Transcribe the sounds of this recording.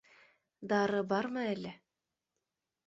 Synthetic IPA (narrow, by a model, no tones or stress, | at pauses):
d̪ɑɾɤbɑɾmɤælɘ